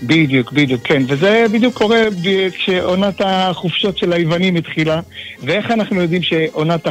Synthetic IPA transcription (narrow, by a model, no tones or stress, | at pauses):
bid̪jukbid̪jukʰːenvezebid̪jukʰːo̞ʁebʃeʔonat̪aχufʃo̞tʃelaivanimit̪χilavee̞χanaχnujo̞d̪imʃeʔo̞nat̪a